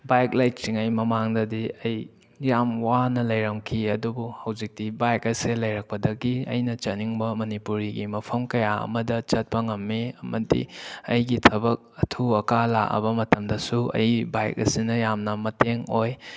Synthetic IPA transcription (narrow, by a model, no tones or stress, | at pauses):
bajk̚lajk̚siŋɐjmɐmaŋdɐdiɐj | jamwanɐlɐjɾɐmkʰiɐdubuhɐwzik̚tibajkɐselɐjɾɐk̚pɐdɐɡiɐ̰jnɐt͡ʃɐniŋbɐmɐnipuɾiɡimɐpʰɐmkɐjaɐ̰mɐdɐt͡ʃɐt̚pɐŋɐmːiɐmɐtḭɐjɡitʰɐbɐk̚ɐtʰuɐkala̰ʔɐ̰bɐmɐtɐmdɐsuɐ̰jbajk̚ɐ̰sinɐjamnɐmɐteŋoj